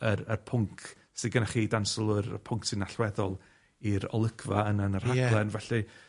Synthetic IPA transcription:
əɾərpʰʊŋkʰ | sɪɡənaχiːdansɔlˠʊɾə̰pʰʊŋksɪnaɬwɛðɔlˠ | iɾɔ̰lˠəɡʰvaənənər̥haɡlˠɛnvɛɬi

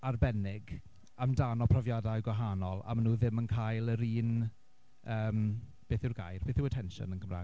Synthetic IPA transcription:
arbɛnɪɡ | amdanɔpʰrɔvjadajɡwaɦanɔlˠa̰manuːðɪmənkʰajlˠəɾiːn | əːm | b̥eːθɪwrɡa̰jrb̥eːθɪwətʰɛnʃɔ̰nənkʰəmra̰ː

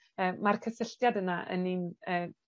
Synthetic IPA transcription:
əːmarkʰəsəɬtjadənaʔə̰ninəː

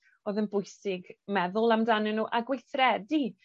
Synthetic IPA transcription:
oːðənbʊjsɪɡmɛðʊlˠamdanɪnːuːʔaɡwejθrɛdi

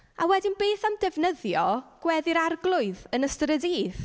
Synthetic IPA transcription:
awɛdɪnbeːθamdɛvnəðjɔɡ̥wɛðɪɾarɡlˠʊɨðənəstrədiːð

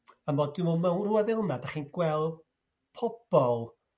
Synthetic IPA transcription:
amɔdɪmɔmawnruaðɪlˠnadaχiːnɡ̥wɛlˠ | pʰɔb̥ɔlˠ

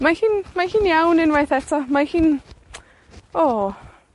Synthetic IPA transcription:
mahiːnmahiːnjawnɪnwajθɛtʰɔmahiːn | ɔː

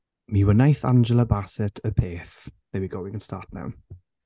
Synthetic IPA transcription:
miwənajθa̰nd͡ʒəlˠəbasɛtʰəpʰeːθmewiɡowɪ̃ŋə̃nstʰaːtna̰wn

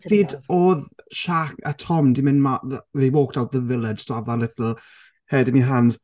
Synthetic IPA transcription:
fiːdɔːðʃakətʰɔmdimɪ̃nmaððewoːk̚tawt̚ðəvɪlˠɪd̥ʒ̥soavðalˠɪtl̩ˠ | hɛdɪniɦanz̥

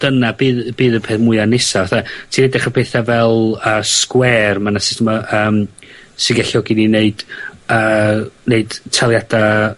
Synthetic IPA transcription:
d̥ənabiːðbiːðəpʰeθmʊɨanɪsavaθatʰinɛdaχəpʰeːθavɛlˠəːskwɛːrmanasɪ̥stɛmaʔəːmsɪɡɛɬɔɡinineɨd̥əːneɨd̥tʰalˠjad̥a

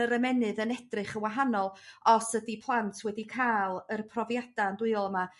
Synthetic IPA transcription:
əɾəmɛnɨðənɛdrɨχəwaɦanɔlˠɔsədipʰlˠantʰwɛdikʰaːlˠərpʰrɔvjad̥andwɨɨɔlˠəma

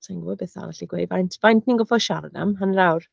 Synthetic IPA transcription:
tʰaŋɡɔbɛθa̰vaɬiɡwḛjdvajntʰv̥ajntʰninɡɔfɔʃarda̰mɦanrawr

